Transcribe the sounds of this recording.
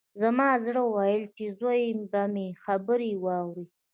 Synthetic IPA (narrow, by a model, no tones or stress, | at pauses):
zamɑzɽəwajəlt͡ʃezojmbamexabəɾiwɑwɾi